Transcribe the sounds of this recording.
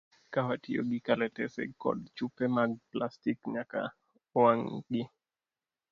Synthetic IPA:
kawatio̰ɡikalɛtɛsɛ̰kɔ̰dt͡ʃupɛmaɡ̚plastikɲaka̰ | waŋɡi

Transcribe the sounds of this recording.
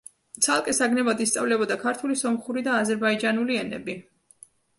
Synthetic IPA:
t̪sʰalˠkʼɛsaɡnɛbad̪ist̪sʼa̰vlɛbɔd̪akʰaɾt̪ʰulisɔmχuɾid̪aːzɛɾbaid͡ʒanuliɛnɛ̰bi

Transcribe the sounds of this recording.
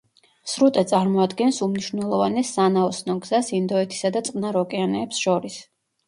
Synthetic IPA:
sɾut̪ʼɛt̪sʼaɾmɔad̪ɡɛnsumniʃvnɛlˠɔvanɛsːanaɔsnɔɡz̥asind̪ɔɛt̪ʰi̥sad̪at̪sʼqʼnaɾɔkʼɛanɛːpsʃɔɾis

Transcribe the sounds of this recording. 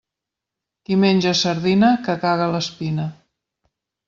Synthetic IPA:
kimenʲʒəsəɾðinəkəkaɣələspinə

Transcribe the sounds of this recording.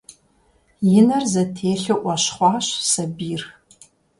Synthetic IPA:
jɪnɐrzɐtʰeːɬɨʔʷɐɕχʷɑːɕsɐbiːr

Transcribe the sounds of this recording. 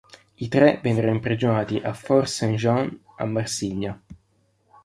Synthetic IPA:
it̪ɾɛvɛnːeɾonimpɾid͡ʒonaːt̪iʔafɔrsanʒan | a̰mːarsiɲːa

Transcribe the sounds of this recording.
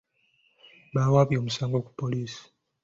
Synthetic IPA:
βaːwaβjo̞ːmusaːŋɡo̞ːku̥pːo̞liːsi̥

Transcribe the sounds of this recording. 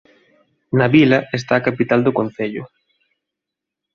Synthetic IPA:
naβilɐest̪aːkapit̪ald̪okon̟θeʎʊ̰

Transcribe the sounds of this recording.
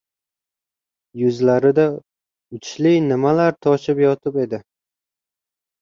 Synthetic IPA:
jʊzlaɾɪd̪a | ʊt͡ʃʰlɪjnɪmalaɾt̪ʰɒʃɪpjɒt̪ʰɪpe̞d̪ɪ

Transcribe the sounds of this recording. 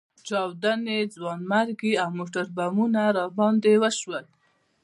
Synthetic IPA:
t͡ʃɑwd̪aned͡zwɑnmaɾɡiawmoʈaɾbamunaɾɑbɑnd̪ewəʃwəl

